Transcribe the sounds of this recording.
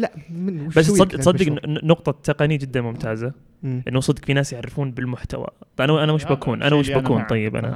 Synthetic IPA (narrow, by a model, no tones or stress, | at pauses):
labasːˤɑd̪t̪sɑd̪ːɪɡnʊqt̪ˤɑt̪ːaqɑnid͡ʒɪd̪ːanmʊmt̪ʰaːza | ʔɪnːuwsˤɑd̪ːɪkfinaːsjɪʕɾːɪfuːnbɪlmʊħt̪a̰wa̰ʔanʔanamɪʃbakʰuːnʔa̰namɪʃbakuːnt̪ˤɑjːɪbʔa̰na̰